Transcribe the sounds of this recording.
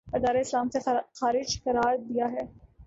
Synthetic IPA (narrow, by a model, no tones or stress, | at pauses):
bɐɾd̪aːɾeɪslaːmsexaːɾɪd͡ʒkɐɾaːɾd̪ijaɦɛː